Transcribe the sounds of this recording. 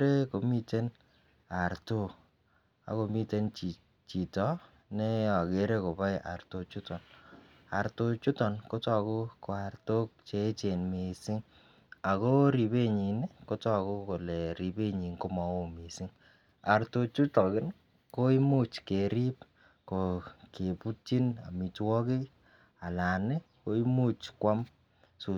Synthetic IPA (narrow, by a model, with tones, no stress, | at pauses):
ɾe˦ko˨mi˦te˦n | a˨rto˦ | a̰˦ko˧mi˦te˦nt͡ʃi˨ | t͡ʃi˨tɔ˦ | ne˦a˨ke˨˦ɾe˦ko˨ba˦ja̰˨rto˨t͡ʃu˦tɔ˨n | a̰˨ɾto˧t͡ʃu˦tɔ˨nko˦tɔ˦˨ko˦ko˨a˨rto˦k̚t͡ʃe˦t͡ʃe˨nmi˨sɪ˦ŋ | a˨ko˦ɾi˨be˦ɲi˨n˦ko˦tɔ˦ko˦ko˨lɛ˨ɾi˨be˦ɲi˨ŋko˦ma˨wo˦mi˨si˦ŋ | a˨rto˧t͡ʃu˦tɔ˨kɪ˦n | ko˦i˦mu˦t͡ʃke˨ɾi˦p̚ | ko˨ke˨pu˦ti˦na̰˨mi˨twɔ˦kɪ˦ | a˨la˨nɪ˦ko˦i˦mu˦t͡ʃkwa˦m | su˨